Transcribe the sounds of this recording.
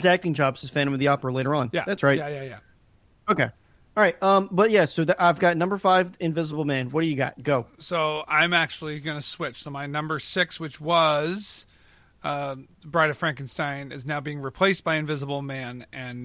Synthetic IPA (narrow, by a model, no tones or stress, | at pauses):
ɡzæk̚tɪ̃ŋd͡ʒɑbsɨz̥fæ̃ñɨ̃mwɨðiɑpə˞əleɪɾə˞ə̃njæ̰ðætsɹaɪtjæjæjæ | oʊkeɪ | ɑɹaɪt̚ʌ̃mbʌt̚jæsoʊðʔaɪvɡɑtⁿnʌ̃mbə˞faɪvɨ̃ɱvɪzəbl̩ˠmæ̃nwʌɾɨjɨɡɑ̰t̚ɡ̥oʊsoʊãɪ̃mæk̚t͡ʃul̩ˠiɡʌnɨswɪt͡ʃsoʊmaɪnʌ̃mbə˞sɪkswɨt͡ʃwʌz̥ | bɹaɪɾɨfɹæ̃ŋkn̩stãɪ̃nɨznaʊbiɪ̃ŋɹipʰl̥eɪsb̥aɪɨ̃ɱvɪzəbl̩ˠmæ̃nɨ̃n